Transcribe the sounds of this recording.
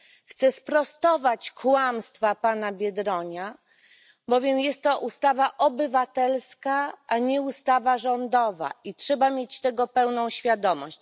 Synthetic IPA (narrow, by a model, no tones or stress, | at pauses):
xt̪sɛspɾɔst̪ɔvat͡ɕkwamst̪fapanabʲjɛd̪ɾɔɲa | bɔvʲjɛmjɛst̪ːɔʔust̪avaʔɔbɘvat̪ɛlskaʔaɲɛust̪avaʐɔnd̪ɔva̰itʂɛbamʲjet͡ɕt̪ɛɡɔpɛwnɔ̃w̃ɕfʲjad̪ɔmɔ̰ɕt͡ɕ